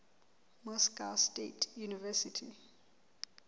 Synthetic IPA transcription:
mɔskʼa̰stḛtʰʼjunivɛsitʰi

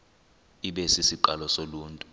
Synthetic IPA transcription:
iɓɛsisiǃalɔsoluːntʼu

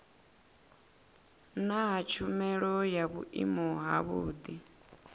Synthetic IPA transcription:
naɦat͡ʃʰumɛɺɔjaβṵʔḭmɔɦaβuːd̪i

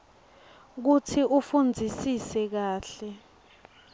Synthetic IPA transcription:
k̬utʰiʔufund͡zʱisisɛk̬aːɬɛ

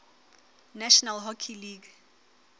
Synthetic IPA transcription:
nɛʃɔnalɦɔkʰiliɡ

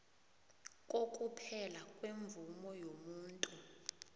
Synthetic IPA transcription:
kʼokʼupʰɛlakʼweɱvumɔjomuːntʼu

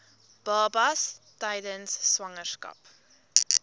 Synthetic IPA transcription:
b̥ɑːbasdaɪdə̃nsːwãŋəskɔ̰p

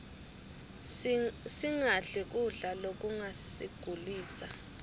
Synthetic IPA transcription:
siŋaɬɛk̬ʼuɮalok̬ʼuŋasiɡ̥ʱuliːsa

